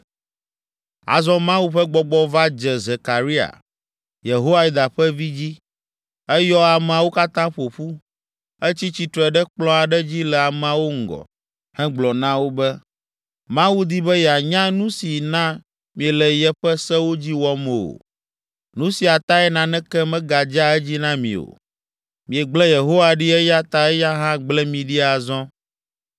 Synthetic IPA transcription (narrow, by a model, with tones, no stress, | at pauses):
a̰˨zɔ̃˦mã˦wu˦ɸɛ˦ɡ͡bɔ˨ɡ͡bɔ˦va˦d͡ʒɛ˨ze˨ka˨ɾi˦a̰˨ | je˨ɦo˦wa˦ji˨d̪a˨ɸɛ˦vi˦d͡ʑi˦ | ɛ˦jɔ˦a˨mɛ˨a˨wo˦ka˦t̪ã˦ɸo˨ɸu˦ | ɛ˦t͡ɕi˦t͡ɕi˨t̪ɾɔ˨ɛ˨ɖɛ˦k͡plɔ̃˦a˨ɖɛ˦d͡ʑi˦lɛ˨a˨m˨a˨wo˦ŋ̩˨ɡɔ̰˨ | hɛ̃˦ɡ͡blɔ˨nã˦wo˦bɛ˦ | mã˦wu˦d̪i˦bɛ˦jɛ˨a˨ɲã˦nũ˦si˨nã˦ | mĩ˨ɛ˨lɛ˨jɛ˦ɸɛ˦sɛ˦wo˦d͡ʑi˦wɔ˦mɛ˨o̰˨ | nũ˦si˨a˨t̪a˦ɛ˦nã˨nɛ̃˦kɛ˦mɛ̃˦ɡa˨d͡ʒa˦ɛ˦d͡ʑi˦nã˦mḭ̃˨o̰˨ | mĩ˨ɛ˨ɡ͡blɛ˦je˨ɦo˦wa˨ɖi˦ɛ˦ja˦t̪a˨ɛ˦ja˦ɦã˦ɡ͡blɛ˦mĩ˨ɖi˦a˨zɔ̃˦